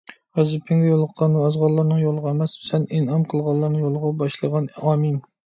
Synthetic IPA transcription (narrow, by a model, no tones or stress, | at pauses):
ʁɛzɪpʰɪŋɡʲɛjolˠəqʰːɑnuɑzʁɑlˠːɑɾnɨŋjolˠəʁɑɛmɛssɛninɑmqʰəlˠʁɑlˠːɑɾnɨŋjolˠəʁɑbɑʃlˠəʁɑnɑmim